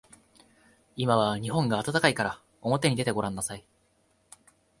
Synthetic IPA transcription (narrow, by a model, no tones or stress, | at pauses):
imaβ̞aɲ̟ihõ̞ŋɡaːt̪at̪akaikaɾa | o̞mo̞t̪e̞ɲ̟id̪e̞t̪e̞ɡo̞ɾãnːasai